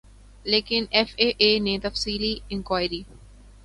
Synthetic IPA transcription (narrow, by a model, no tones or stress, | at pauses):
leːkɪnɛfeːʔeːnet̪ɐfsiːliɪ̃ŋkwaːɪɾiː